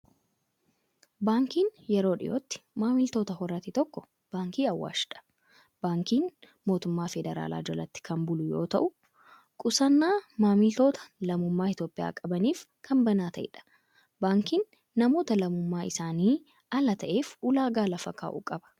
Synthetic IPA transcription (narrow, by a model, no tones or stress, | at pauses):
baːŋkiːnjɛɾo̞ːᶑɪ̰jʔoːt̪ːɪ̥maːmɪlt̪o̞ːt̪ɐɦɔɾɐt̪ɪt̪ɔkːɔ | b̥aːŋkiːɐwːa̰ːʃɪᶑɐ̥ | b̥aːŋkiːn | mo̞ːt̪ʊmːaːfɛd̪ɛɾa̰ːla̰ːd͡ʒɔlɐt̪ːɪ̥kʰɐmbʊlʊjo̞̰ːt̪ɐ̰ʔʊ | kʼʊsɐnːaːmaːmɪlt̪o̞ːt̪ʰɐ̥lɐmʊmːaːɪt̪jo̞ːpʼɪja̰ːkʼɐbɐniːf | kʰɐmbɐnaːt̪ɐʔɪ̰ᶑɐ̥ | baːŋkiːnː | ɐmo̞ːt̪ɐlɐmʊmːaːɪsaːniː | ɐlɐt̪ɐʔe̞ːfʊlaːɡaːlɐfɐkːa̰ːʔṵːkʼɐbɐ̥